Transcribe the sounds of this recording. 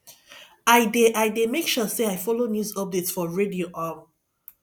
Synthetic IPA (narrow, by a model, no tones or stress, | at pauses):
aɪdeʔaɪjdemekʃɔseaɪfɔlonjuzɔp̚detsfɔɹedioʔam